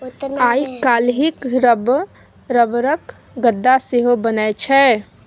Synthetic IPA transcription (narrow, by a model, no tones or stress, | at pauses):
ajkalɦikɾəb | ɾəbɾək | ɡəd̪ːaseɦobənɛt͡ʃʰɛ